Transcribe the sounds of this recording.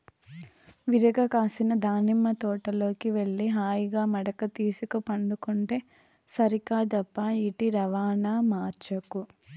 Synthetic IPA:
ʋiɾɐɡɐkaːsinɐd̪aːnimːɐt̪ɔːʈɐlo̞ːkiʋeɭːiɦaːjiɡaːmɐɽɐkɐt̪iːsukɐpɐɳɖukuɳʈeː | sɐɾikaːd̪ɐpːaiʈiɾɐʋaːnaːmaːɾt͡ʃɐku

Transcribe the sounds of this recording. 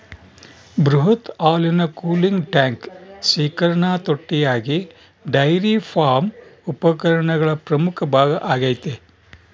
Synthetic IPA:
bɾuɦɐt̪aːljunɐkuːliŋɡʈaːŋksiːkɐɾɐɳaːt̪oʈːijaːɡi | ɖɐjɾipʰaːɾmupɐkɐɾɐɳɐɡɐɭɐpɾɐmukʰɐbʱaːɡɐʔaːɡɐjt̪e

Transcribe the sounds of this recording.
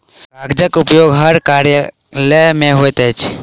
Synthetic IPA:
baɡd͡ʒəkʊpjoːɡɦəɾkaɾjə | ləmẽɦoet̪ːt͡ʃʰ

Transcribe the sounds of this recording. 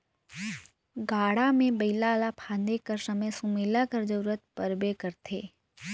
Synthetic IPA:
ɡaːɽamẽbɐɪlaːlapʰãːnd̪ekəɾsɐməjsũmeːlakɐɾd͡ʒɐɾuɾət̪̚pɐɾbekəɾt̪ʰeː

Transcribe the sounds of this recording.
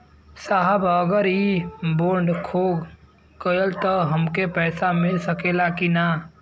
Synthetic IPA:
saːɦəbəɡəɾiboːɳɖkʰoːɡ | kəlt̪ɔɦəmkepɛːsamɪlsəkeːlakina

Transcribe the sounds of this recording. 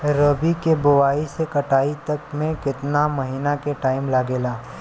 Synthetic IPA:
ɾoːbikebʊʋaːisekɐʈaːit̪ɐkmẽkɪt̪namɐɦiːnakeʈaːɪmlaːɡeːlaː

